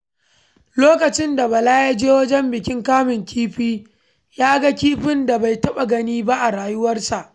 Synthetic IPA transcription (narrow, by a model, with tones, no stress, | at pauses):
loː˦kɐ˨t͡ʃɪ˦nda˨bɐ˨laː˦ja˦d͡ʒeː˦wɐ˦d͡ʒɛ˦mbɪ˨kʲɪ˦ŋkaː˦mɪ˨ŋkʲʰiː˦ɸiː˦ | jaː˦ɡa˦kʲiː˦ɸɪ˦nda˨ba˨jtɐ˦ɓa˨ɡɐ˦niː˦ba˦ʔa˨ɽaː˨jʊ˦wɐ˦rsa˨ʔ